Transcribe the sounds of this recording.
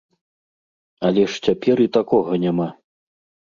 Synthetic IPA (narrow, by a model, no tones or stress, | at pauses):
ɐlʲɛʂt͡sʲapʲɛɾit̪akɔɣɐnʲama